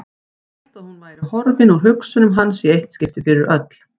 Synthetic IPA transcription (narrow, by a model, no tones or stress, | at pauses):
al̥t̪aðhunvaːjɾɪhɔɾvɪnuɾ̥ɦʏksʏnʏmɦanːsiejht̪scɪft̪ɪfɪɾɪɾʔœt̪l̥